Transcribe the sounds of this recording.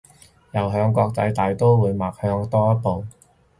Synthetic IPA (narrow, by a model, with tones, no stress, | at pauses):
jɐ˨˩wɦœː˧ŋkʷɔː˧k̚t͡sɐ̰˧jt̪aː˨jt̪o˥wwuː˨˧jmaː˨k̚hœː˧ŋt̪ɔː˥jɐ˥po˨˧w